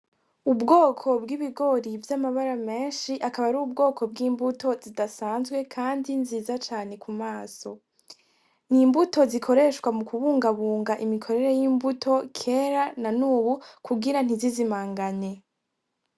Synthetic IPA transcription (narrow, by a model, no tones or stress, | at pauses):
ubɡo̞ːkʰo̞bɡiβiɡo̞ɾivjamaβaɾame̞ːnʃiʔakaβaɾuːb̚ɡo̞ːkʰo̞bɡiːmbuto̞zidasaːnzɡwe̞kʰaːndinziːzat͡ʃaːne̞kumaːso̞ | niːmbuto̞zikʰo̞ɾe̞ːʃkwamukuβuːŋɡaβuːŋɡaʔimikʰo̞ɾe̞ɾe̞jiːmbutʰo̞kʰe̞ːɾananuːβukʰuɡiɾan̥izizimaːŋɡaɲe̞